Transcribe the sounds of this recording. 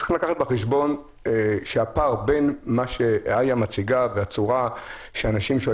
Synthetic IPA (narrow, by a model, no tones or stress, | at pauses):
i̥ximlakaχat̪beχeʃbo̞n | eʃeapaʁbenmaʃeajamat͡siɡaveat͡suʁaʃeanaʃimʃo